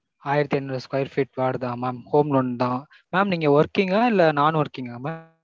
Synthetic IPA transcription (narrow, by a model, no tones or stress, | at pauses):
aːjɪɾɐt̪ːiɛnːɾɐskɐjɪɾfiːʈʋaːɽd̪ãːmaːmhoːmlɔnd̪ãː | maːmniːŋɡɐʋɐɾkiːŋɡɐɪlːɐnaːnʋɔɾkːiːŋɡɐmaːm